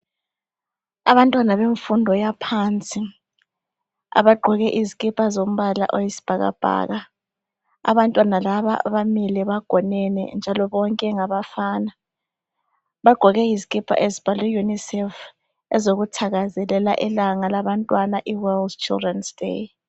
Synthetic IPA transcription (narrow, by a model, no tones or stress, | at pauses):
aβantʼwanaβeɱfundʱɔjapʰaːnt͡sʼi | a̰βaɡ͡ǃʱɔɣɛʔizikʼipʰʼazom̩βala̰ʔojisi̥b̥ʱaɣa̰b̥ʱa̰ːɣa | a̰βantʼwanalaβaʔa̰βamilɛβaɡ̥ʱɔnɛnɛ̰nd͡ʒʱalɔβɔŋkʼɛŋaβafaːna | βaɡ͡ǃ̥ʱɔɣɛizikʼipʰʼa̰ʔezib̥ʱalijunisɛf | ɛzoɣutʰaɣazɛlɛla̰ʔɛlaŋalaβantʼwanaʔiwɛldt͡ʃʰʼḭldrɛnsd̥ḛ